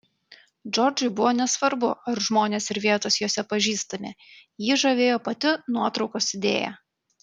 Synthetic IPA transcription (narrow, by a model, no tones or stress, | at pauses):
d͡ʒɔɾʲd͡ʒʊɪbʊʋoːnʲɛsʋɐɾbʊɐɾʒmoːnʲeːsɪɾʋʲiɛt̪oːsjoːsʲɛpɐʒʲiːst̪ɐmʲḛ | jiːʒɐʋʲeːjoːpɐt̪ʲɪnuɔt̪ɾɒʊkoːsɪd̪ʲḛːjæ̰